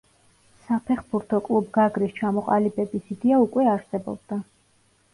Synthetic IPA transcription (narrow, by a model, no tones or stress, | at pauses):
sapʰɛχbuɾt̪ʰɔkʼlˠubɡaɡɾist͡ʃʰamɔqʼa̰libɛbisid̪ɛaukʼwɛaɾsɛbɔ̰b̚d̪̥a